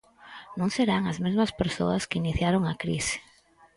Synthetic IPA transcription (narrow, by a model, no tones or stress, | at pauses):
nõŋseɾaŋɐzmezmɐspeɾso̰ɐskiniθjaɾoŋɐkɾḭsɪ̥